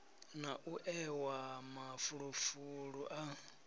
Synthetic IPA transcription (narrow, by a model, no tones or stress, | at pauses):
naʔuʔɛwamafuɺufuɺuʔa